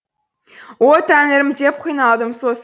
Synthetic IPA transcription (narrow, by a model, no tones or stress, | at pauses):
wot̪ʰæneɾɪmd̪ep̚qʰijnɑlˠd̪əmsos